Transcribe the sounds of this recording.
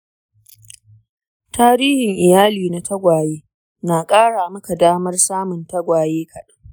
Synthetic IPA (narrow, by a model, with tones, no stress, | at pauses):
taː˦ɾiː˦hɪ˨ŋʔɪ˨jaː˦liː˨na˨tʰɐ˦ɡʷaː˨jeː˦ | naː˨kʼaː˦ɽaː˨mɐ˦ka˨daː˦mɐ˦rsaː˦mʊ˨ntɐ˦ɡʷaː˨jeː˦kʰɐ˨ɗɐ˦ŋ